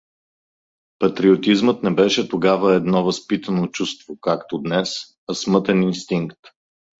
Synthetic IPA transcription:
pɐt̪ɾiot̪izmət̪nɛbɛʃɛt̪oɡavəɛd̪nɔvɐspit̪ənot͡ʃust̪vokakt̪od̪nɛs | ɐsmɤt̪ɛninst̪iŋkt̪

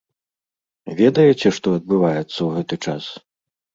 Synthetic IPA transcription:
vʲɛd̪ɐjɛt͡sʲɛʂt̪ɔɐd̪̚bɨvajɛt̪sːɐwɣɛt̪ɨt͡ʂa̰s

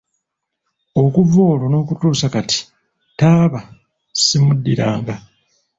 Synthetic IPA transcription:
o̞kuvo̞ːlono̞ːkutuːsakati̥ | taːβa | simudːiɾaːŋɡa

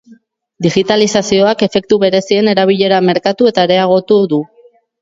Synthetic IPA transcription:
d̪iɣit̪alisasio̞ake̞fe̞k̚t̪uβe̞ɾe̞sie̞ne̞ɾaβ̞iʎe̞ɾame̞ɾkat̪ue̞t̪aeɾe̞aɣ̞o̞t̪uðu

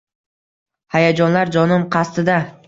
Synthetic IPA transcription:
hajad͡ʒɒnlaɾd͡ʒɒnɪmqʰɑst̪ɪd̪a

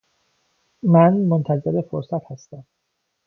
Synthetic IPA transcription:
mænmont̪ʰæze̞ɾefoɾsæt̪hæst̪æm

